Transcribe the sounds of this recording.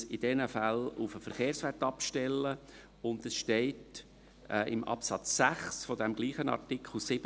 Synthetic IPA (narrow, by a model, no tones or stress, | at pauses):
ɪdɛnəfælʊfəfəɾχeːɾsʋɛtɑpʃtɛlːə | ʊndəsʃteɪtː | ʔɪmʔɑ̰psɑt͡sːæχsfɔdɛmɡ̥liːχənɑ̰rtɪkχl̩ˠsɪb